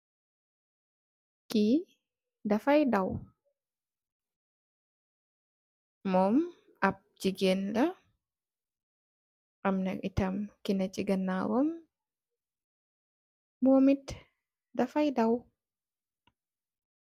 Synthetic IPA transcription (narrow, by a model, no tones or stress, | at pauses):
ki | dafajdaw | mɔm | ap̚d͡ʒiɡɛnda | ʔamna̰kḭtamkinat͡ʃiɡanːawɔm | momit | dafajdaw